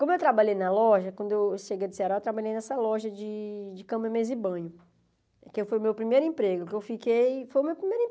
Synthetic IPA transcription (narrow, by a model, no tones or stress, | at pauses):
kmʊewt̪ɾabaʎejnɐlɔʒɐkwɐ̃nd̪ʊewʃeɡejɐd̪ɪseaɾawewt̪ɾabaʎejnɛsɐlɔʒɐd͡ʒɪd͡ʒɪkɐ̃mɐmezɪbɐ̃ɲʊ | kewfojʊmewpɾimejɾʊẽpɾeɡʊkewfikejfojʊmewpɾimejɾẽ